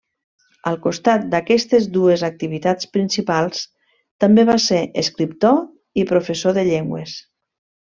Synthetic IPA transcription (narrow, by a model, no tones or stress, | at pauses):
əlˠkust̪at̪̚d̪əkɛst̪ezd̪uezak̚t̪iβit̪at͡spɾinsipalˠs | t̪əmbeβaseɾeskɾip̚t̪o | ipɾofesoðəʎeŋɡwḛs